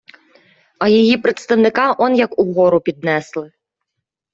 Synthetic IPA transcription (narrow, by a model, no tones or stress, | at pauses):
ɐjɐjipɾɛt̪st̪ɐwnɪkaʔɔnjɐkuɣɔɾʊpʲid̪nɛslˠɪ